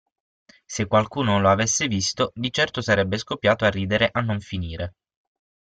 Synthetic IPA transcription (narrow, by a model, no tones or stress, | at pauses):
sekːwalkuːnoloavesːevist̪od̪it͡ʃɛrt̪osaɾɛbːeskopːjaːt̪oarːiːd̪eɾeʔanːoɱfiniːɾe